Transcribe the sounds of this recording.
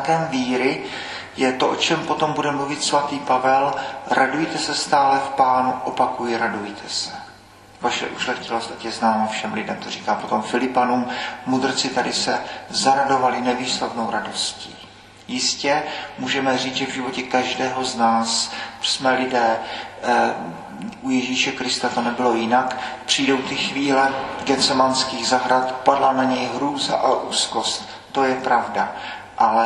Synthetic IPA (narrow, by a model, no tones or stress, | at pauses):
kɛːmviːɾɪ | jɛt̪o̞ʔot͡ʃɛmpo̞t̪o̞mbudɛmluvɪt̪svat̪iːpavɛlɾadujt̪ɛsɛst̪aːlɛfpaːnuʔopakujɪɾadujt̪ʰɛsɛ̥ | vaʃɛ̰ʔuʃlɛtcɪlost̪acjɛznaːmafʃɛmlɪdɛmt̪oriːkaːpo̞t̪o̞mfɪlɪpanuːmmud̪r̩t͡sɪt̪adɪsɛzaɾado̞valɪnɛviːslat̪nowɾado̞scḭː | jɪscɛmuːʒɛmɛriːt͡sʒɛvʒɪvo̞cɛkaʒdɛːɦo̞znaːssmɛlɪdɛː | ʔujɛʒiːʃɛkɾɪst̪at̪o̞nɛbɪlo̞jɪnakpr̝̥ijdo̞wt̪ɪxviːlɛɡɛt͡sɛmanskiːɣzaɦɾat̪padlanaɲɛjɦɾuːza̰ʔaʔuːsko̞st̪ːo̞jɛpɾavda | ʔalɛ